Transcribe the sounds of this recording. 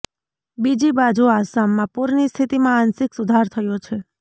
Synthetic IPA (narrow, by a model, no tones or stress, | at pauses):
bid͡ʒibad͡ʒuasamːãpuɾnist̪ʰit̪imãːnsɪksʊd̪ʱaɾt̪ʰəjot͡ʃʰe